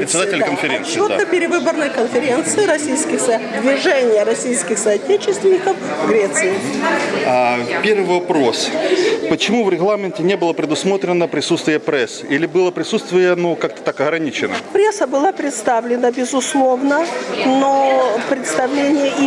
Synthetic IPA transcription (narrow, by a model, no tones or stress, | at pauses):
pɾʲɪt̪sʲɪd̪atʲɪlʲkənfʲɪɾʲḛnsɨːvod̪a̰əpʲɪɾʲɪvɨbərnɨjkənfʲɪɾʲe̞nt̪sɨjɪɾɐsʲijskʲɪxsəd̪vʲɪʐɛnʲɪjəɾɐsʲijskʲɪxsɐːtʲet͡ɕɪst̪vʲɪnʲɪkəfɡɾʲet̪sɨɪ | apʲervɨvɐpɾospət͡ɕɪmuvɾʲɪɣlˠamʲɪntʲɪnʲebɨlˠəpɾʲɪd̪ʊsmo̞t̪ɾʲɪnəpɾʲɪsut̪st̪vʲɪjəpɾɛsilʲɪbɨlˠəpɾʲɪsut̪st̪vʲɪjənukakt̪ə̥t̪akɐɣɾɐnʲit͡ɕɪnə̰pɾʲesəbɨlˠapɾʲɪt̪st̪avlʲɪnəbʲɪzʊslˠo̞vnənopɾʲɪt̪st̪ɐvlʲenʲɪjəʔi